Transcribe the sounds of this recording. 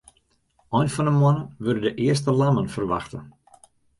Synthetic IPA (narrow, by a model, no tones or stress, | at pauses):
ɔjnfɔnəmwɔnəʋødədəʔɪəstəlamənfərʋa̰xtən